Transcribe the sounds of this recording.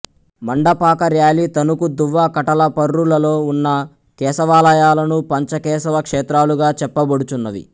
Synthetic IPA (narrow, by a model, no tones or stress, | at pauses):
mɐɳɖɐpaːkɐɾjaːliːt̪ɐnukud̪uʋːaːkɐʈɐlɐpɐɾːulɐlo̞ːunːɐ | kɛːsɐʋaːlɐjaːlɐnupɐɲt͡ʃɐkɛːsɐʋɐkʂɛːt̪ɾaːluɡaːt͡ʃɛpːɐbɐɽut͡ʃunːɐʋḭ